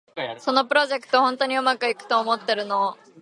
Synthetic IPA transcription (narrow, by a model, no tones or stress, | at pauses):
so̞no̞pɯ̟ɾo̞ʑekɯ̥t̪ohõ̞nt̪o̞ɲ̟iomakɯ̟ikɯ̟̥t̪oːmo̞t̪ːe̞ɾɯ̟no̞